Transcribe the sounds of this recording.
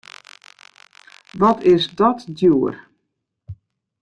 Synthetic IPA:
ʋɔtʰɪsdɔtdjuːər

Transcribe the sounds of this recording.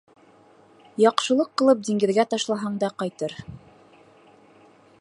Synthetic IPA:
jɑqʃɤ̆lˠɤqːɤ̆lˠɤp̚d̪iŋɡɘ̆ðɡæt̪ɑʃlˠɑɦɑɴd̪ɑqɑjt̪ɤɾ

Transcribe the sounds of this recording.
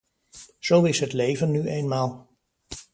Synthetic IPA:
z̥owɪsɦətleːvənːyʔeːnmaːlˠ

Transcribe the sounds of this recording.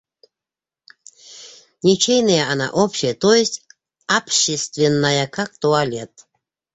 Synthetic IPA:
nʲet͡ɕejnəjəana̰ʔopɕɪjət̪ojɪsʲtʲ | apɕest̪vʲɪnːajəkʰak̚t̪oalʲet̪

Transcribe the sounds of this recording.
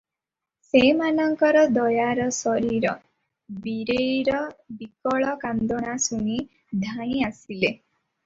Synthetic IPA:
semanɔŋkɔɾɔd̪ɔjaɾɔsɔɾiɾɔ | biɾejɾɔbikɔɭɔkand̪ɔɽ̃asuɽ̃i | d̪ʱãĩasile

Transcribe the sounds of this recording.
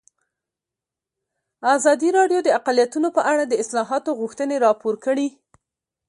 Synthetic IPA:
azɑd̪iɾɑɖjod̪əaqalijat̪unopəʔaɽad̪əɪslɑɦɑt̪oɣuxt̪əneɾɑpoɾkəɽi

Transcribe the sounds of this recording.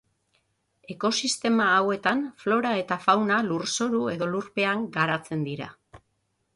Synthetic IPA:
e̞ko̞sist̪e̞maːwe̞t̪anflo̞ɾae̞t̪afawnaluɾso̞ɾue̞ðo̞luɾpe̞aŋɡaɾat͡se̞nd̪iɾa̰

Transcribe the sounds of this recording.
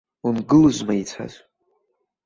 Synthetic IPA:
unɡɨlʒʷmait͡sʷʰa̰zʷ

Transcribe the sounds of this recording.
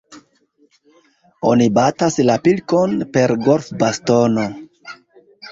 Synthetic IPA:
o̞nibataslapilko̞npe̞ɾɡo̞lfbasto̞no̞

